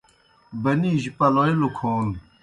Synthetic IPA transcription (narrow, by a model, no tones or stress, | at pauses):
bɐniːʑipɐloelukʰoːl